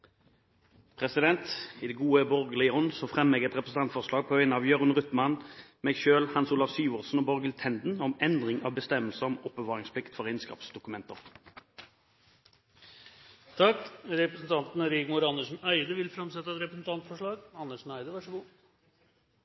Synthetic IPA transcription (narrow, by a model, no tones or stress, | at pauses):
pʰʁɛsɪd̪ɛnt̪id̪ɛɡuːəbɔʁɡəlɪəɔnsɔfʁɛmɛɡɛt̪ʁɛpɾəsn̩ɑnt̪fɔʁʂlɑːɡ̚pʰɔːœʏnɑʋjøːʁənʁʉt̪mɑnmɛːɡʃøːlhɑnsuːlɑʋsyːʋɔʁsn̩ɔːbɔʁɡəlt̪ʰɛnd̪n̩ɔmɛnd̪ʁɪŋɑ̰ʋbəst̪ɛmːəlsəʁɔmɔpːəʋɑːʁɪŋspʰlɪkt̪fɔʁɛɪnskɑ̰ːpsd̪ʊkʉmɛnt̪əʁ | t̪ʰɑkɾɛpɾəsn̩t̪ʰɑnt̪n̩ɾiːɡmʊːɾɑnəsn̩œɪd̪əʋɪlfɾɑmsɛt̪ːəɛt̪ɾɛpɾəsn̩t̪ʰɑnt̪fɔʂɭɑːɡɑnːəʂnæɪd̪əʋɑʂəɡu